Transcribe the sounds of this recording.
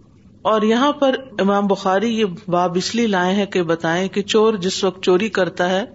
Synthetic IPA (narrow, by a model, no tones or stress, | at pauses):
ɔːɾjɐɦãpɐɾɪmaːmbʊxaːɾijebaːbɪslilaːẽɦɛ̃kebɐt̪aːẽket͡ʃoːɾd͡ʒɪsʋɐk̚t̪̚t͡ʃoːɾikɐɾt̪aɦɛː